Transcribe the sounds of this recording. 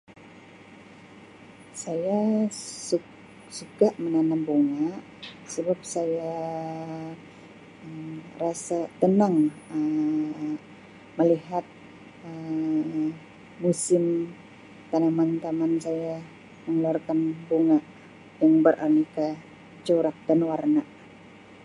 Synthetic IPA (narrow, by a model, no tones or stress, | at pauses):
sajasu | sukaʔmənanamboŋaʔ | səbap̚saja | ərasat̪ənaŋə | məliɦat̪̚ | ə | usɪm | t̪anamant̪amansaja | məŋluarkanboŋaʔ | jaŋbərʔa̰nika | t͡ʃoɾak̚danwarnaʔ